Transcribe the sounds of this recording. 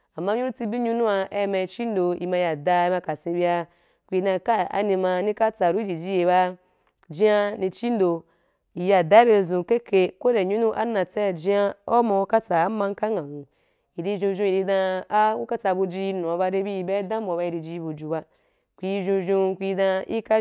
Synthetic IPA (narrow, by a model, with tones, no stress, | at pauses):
a˨mːa˦ɲũ˦ɾu˦t͡si˧bi˦ɲu˦nũ˦a˧ʔe˦˨˦ma˧i˧t͡ʃi˦n˦do˧i˨mã˧ja˨da˧˦ma˧ka˨sĩ˧˦bi˧˦a˧ | kʷi˧dã˧ka˦a̰˨nĩ˧ma˧˦nĩ˦ka˦t͡sa˨ɾu˦d͡ʒi˨d͡ʒi˦je˨ba˦ | d͡ʒi˦a˦nĩ˧t͡ʃi˦n˦do˧ | i˨ja˨da˨˦be˧˨zũ˨ke˦kʰe˧ko˦ɾe˨ɲu˦nũ˦ʔa˦nã˨t͡sa˦˨d͡ʒi˦a˦o˦ma˨˧u˦ka˦t͡sa˨a˨˦mã˧ŋ̩˦ka˦ŋã˨nũ˨ | i˨ɾi˧˦ʒũ˧ʒu˧i˨ɾi˧dã˧a˦u˦ka˦t͡sa˧bu˧d͡ʒi˧i˧nũ˨a˨ba˧ɾe˦bi˦i˨be˦dã˦mo˨ba˧i˧ɾi˧d͡ʒi˧i˧˦bu˧d͡ʒu˨ba˦ | kʷi˧i˧ʒũ˧ʒũ˧kʷi˧˦dã˧i˦ka˦